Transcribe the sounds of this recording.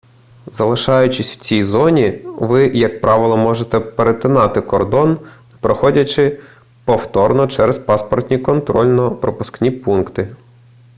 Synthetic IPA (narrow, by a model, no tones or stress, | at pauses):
zɐlˠɪʃɑjʊt͡ʃɪsʲw̥t͡sʲijzɔnʲiʋɪjɐk̚pɾʔɑʋɪlˠɔmɔʒet̪ɛpeɾet̪ɪnɑt̪ɪkɔrd̪ɔn | pɾɔxɔdʲɐt͡ʃɪ | pɔwt̪ɔrnɔt͡ʃɛɾespɑspɔrt̪ʲnʲikɔnt̪ɾɔlʲnɔpɾɔpʊsknʲipunkt̪ɪ